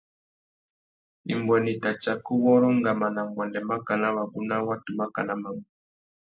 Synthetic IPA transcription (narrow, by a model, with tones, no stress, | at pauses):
ḭ˨mbwɛ˨ni˨ta˨t͡ʃa˨ku˦wɔ˦ɾɔ˦ŋɡa˨ma˨na˨mbwɛ˨ndɛ˨ma˦ka˨na˦wa˨ɡu˦na˦wa˦tu˨ma˦ka˨na˦ma˨mu˨